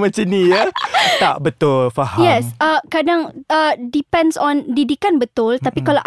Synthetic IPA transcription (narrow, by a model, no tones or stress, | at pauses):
mat͡ʃənijət̪aʔbət̪ʊlfaɦajɛsəkadaŋədipɛ̃ndsɔ̃ndidikanbət̪ʊlt̪apikalaʔ